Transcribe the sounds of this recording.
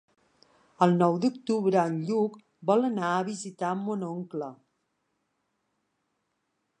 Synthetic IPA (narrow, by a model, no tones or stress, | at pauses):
əlˠnɔwd̪uk̚t̪uβɾəənʎuk | bɔlənaəβizit̪amːonɔŋklə